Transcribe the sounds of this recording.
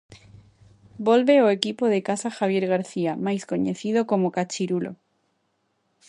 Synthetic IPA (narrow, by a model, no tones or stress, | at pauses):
bolβeoekipoðekasaxaβ̞je̞ɾɣaɾθiamajskoɲeθið̞oko̞mokat͡ʃiɾulo̰